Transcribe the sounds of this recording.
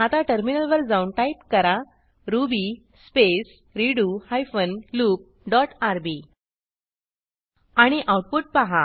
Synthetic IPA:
at̪aʈəɾminəlʋəɾd͡zauɳʈajp̚kəɾa | ɾubi | spes | ɾiɽuhajfənluːk̚ | ɖɔʈaɾbi | aɽ̃iʔawʈ̚puʈ̚paɦa

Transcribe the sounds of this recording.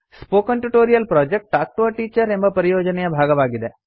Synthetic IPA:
spoːkɐɳʈuʈoːɾijɐlpɾoːd͡ʒek̚ʈaːk̚ʈuʋɐʈiːt͡ʃɐɾembɐpɐɾijoːd͡ʒɐnɛjɐbʱaːɡɐʋaːɡid̪e

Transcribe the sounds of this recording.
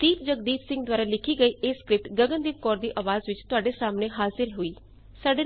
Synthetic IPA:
d̪̥iːpd͡ʒəɡ̚d̪iːfsɪ̃ŋɡd̪waːɾalɪkʰiɡəiʔeːskɾɪp̚ʈɡəɡənd̪iːp̚kɔːɾd̪iːʔɐʋaːzʋɪt͡ʃt̪ʊaːɖesaːmneɦaːzɪɾɦʊiː | saːɖe

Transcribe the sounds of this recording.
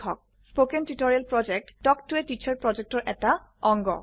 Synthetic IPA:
ɔ̰k̚ | spokɛntutɔɹialpɹɔd͡ʒɛk̚tdɔktuetit͡ɕʰaɹpɹɔd͡ʒɛk̚tɔɹʔɛta | ɔŋɡɔ̰

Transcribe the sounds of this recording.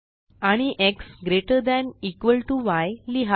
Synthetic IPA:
aɽ̃iʔeksɡɾeʈəɾd̪ɛnikʋəlʈuʋajliɦa

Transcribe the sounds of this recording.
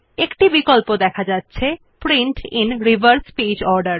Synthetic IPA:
ekʈibikolpod̪ɛkʰad͡ʑatːɕʰe | pɾiɳʈinɾibəɾspid͡ʑɔɾɖəɾ

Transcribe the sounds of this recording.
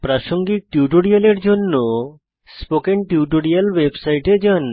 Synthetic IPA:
pɾaʃoŋɡiʈiuʈoɽialeɾd͡ʑonːo | spokeɳʈiuʈoɽialwebsajʈed͡ʑan

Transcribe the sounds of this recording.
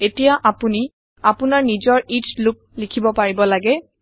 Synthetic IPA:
etijaʔapuni | apʊnaɹnizɔɹitlʊk̚likʰibɔpaɹibɔlaɡɛ

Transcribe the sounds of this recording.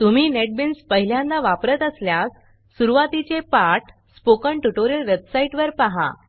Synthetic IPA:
t̪um̤iːneʈ̚binspəɦiljãnd̪aʋapɾət̪əsljasː | uɾuʋat̪it͡ɕepaʈ | spokəɳʈuʈoɾijəlʋebsaiʈʋəɾpaɦa̰

